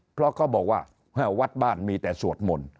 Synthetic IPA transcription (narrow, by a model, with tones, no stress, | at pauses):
pʰɾɔ˦˥kʰɔː˥˩bɔː˨˩k̚waː˥˩ | hã˦˩wa˦˥t̪̚baː˥˩nmiː˧t̪ɛː˨˩su˨˩ət̪̚mo˧n